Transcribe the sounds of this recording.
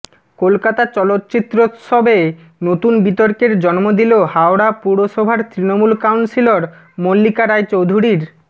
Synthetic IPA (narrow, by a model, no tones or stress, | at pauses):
kolkat̪at͡ɕɔlot̪ːt͡ɕit̪ːɾoʃɔbe | not̪unbit̪oɾkeɾd͡ʑɔnmod̪ilehaoɽapuɽoʃɔbʱaɾt̪ɾinomulkawnsiloɾ | molːikaɾaet͡ɕowd̪ʱuɾiɾ